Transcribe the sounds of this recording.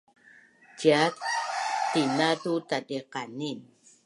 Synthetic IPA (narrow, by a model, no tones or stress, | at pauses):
tjatt̪ːinat̪ut̪adeqanin